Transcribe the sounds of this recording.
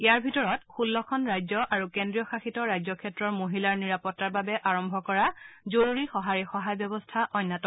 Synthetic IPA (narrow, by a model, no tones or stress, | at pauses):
ɛjaɹbʱitɔɹɔtxulːɔkʰɔnɹajzɔʔaɹukendɹijɔxaxitɔɹajzɔkʰɛtɹɔɹmoɦilaɹniɹapɔtːaɹbabɛʔaɹɔmbʱɔkɔɹazoɹuɹixɔɦaɹixɔɦajbjɔbɔstʰaʔɔjnːatɔ